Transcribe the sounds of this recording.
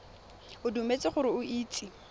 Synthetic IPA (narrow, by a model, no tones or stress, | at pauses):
ʊdumet͡sʼɪχʊɾɪʊʔiːt͡sʼi